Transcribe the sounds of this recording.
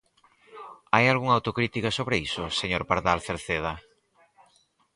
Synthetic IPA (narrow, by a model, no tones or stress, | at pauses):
ajalɣuŋawt̪okɾit̪ikasoβɾeisoseɲoɾpaɾðalθeɾθeð̞ɐ